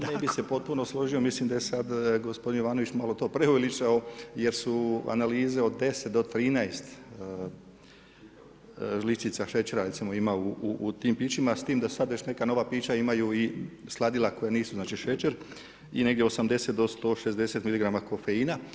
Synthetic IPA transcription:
nebise̞po̞t̪̚puno̞slˠo̞ʒio̞mislimd̪ajesad̪ɡospo̞d̪inoʋaːnoʋit͡ʃmalˠo̞t̪o̞ːpɾeulit͡ʃaoje̞ɾsua̰naliːze̞o̞d̪ːe̞set̪̚d̪o̞t̪ɾiːnaest̪ | ʒlit͡ʃit̪saʃe̞t͡ʃeɾaɾesimo̞imauuːt̪iːmpiːt͡ʃimast̪iːmd̪asad̪ʋe̞t͡ʃne̞kano̞ʋapiːt͡ʃaimajuislˠad̪ilako̞janiːsuznaːt͡ʃiʃe̞t͡ʃeɾ | ine̞ɡ̪jeo̞samd̪e̞se̞t̪d̪o̞st̪o̞ʃe̞zd̪e̞se̞t̪miliɡɾamako̞fe̞iːna

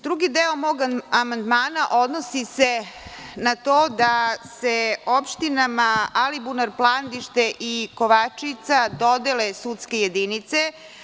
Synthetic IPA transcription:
d̪ɾuɡid̪eomo̞ːɡamand̪maːnaʔo̞d̪nosisenat̪oːd̪aseopʃt̪inamaalibunaɾplˠand̪iʃt̪eʔikoʋat͡ʂit̪sad̪od̪elesut̪skejed̪init̪se

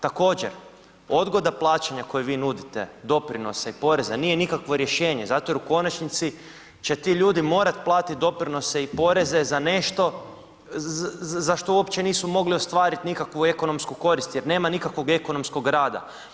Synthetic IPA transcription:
t̪ako̞ːd͡ʑḛɾ | o̞d̪ɡo̞d̪aplˠaːt͡ɕaɲako̞jeʋiːnud̪it̪e̞̰d̪o̞pɾino̞seipo̞ɾe̞zaniːje̞nikakʋo̞ɾje̞ʃe̞ːɲe̞zat̪ojeɾuko̞nat͡ʃnit̪si | t͡ɕe̞t̪iʎuːd̪imo̞ːɾat̪plˠaːt̪it̪̚d̪o̞pɾino̞seipo̞ɾe̞ze̞zane̞ʃt̪o̞ | zaʃt̪o̞uopt͡ɕe̞niːsumo̞ɡlio̞st̪ʋaːɾit̪nikakʋue̞ko̞no̞mskuko̞ɾist̪jeɾne̞ːmanikakʋo̞ɡe̞ko̞no̞msko̞ɡɾaːd̪a̰

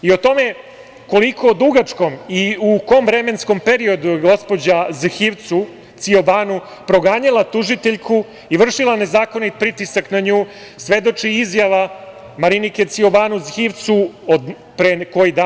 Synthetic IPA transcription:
io̞t̪o̞me̞ | ko̞likʰo̞ːd̪uɡat͡ʂko̞miuko̞mʋɾeme̞nsko̞mpeɾio̞d̪uɡo̞spo̞d͡ʑazxiʋt̪su | t̪sioʋaːnu | pɾo̞ɡaːɲalˠat̪uʒit̪eʎkʰu | iʋr̩ʂilˠane̞zaːko̞nit̪̚pɾit̪isaknaɲuː | sʋe̞d̪o̞t͡ʂiizjaʋa | maɾinike̞t̪sioʋaːnuzxiʋt̪suod̪ | pɾeko̞jid̪a

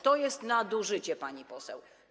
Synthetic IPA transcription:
t̪ɔjɛst̪nad̪uʐɘt͡ɕɛpaɲipɔsɛw

